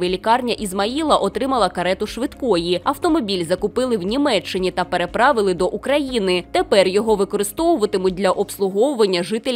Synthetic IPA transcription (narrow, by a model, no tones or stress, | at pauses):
ʋelʲikɑrnʲɐʔizmɐilˠɐʔɔt̪ɾɪmɐlˠɐkɐɾɛt̪ʊʃʋɪd̪kɔjiɐwt̪ɔmɔbʲilʲzɐkʊpɪlˠɪwnʲimɛt͡ʃːɪnʲit̪ɐpe̞ɾepɾɑʋɪlˠɪd̪ɔʔukɾɐjinɪt̪epɛrjɔɦɔʋɪkɔɾɪst̪ɔwʊʋɐt̪ɪmʊd̪ʲlʲɐʔɔpslˠʊɦɔwʊʋɐnʲːɐʒɪt̪elʲ